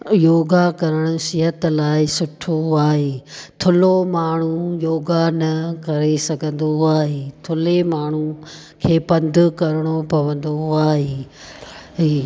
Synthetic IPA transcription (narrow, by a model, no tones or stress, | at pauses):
joːɡakɐɾəɽ̃ʊ̆ʃiɦət̪laːɪsʊʈʰoaːɦeːt̪ʰʊlomaːɳ̤ujoːɡanɐkɐɾesɐɡʱə̃nd̪oaːɦeːt̪ʰʊlemaːɳ̤u | kʰeːpɐ̃nd̪ʱʊkɐɾɪɽ̃opɐʋə̃nd̪oaːɦeː | ɦiː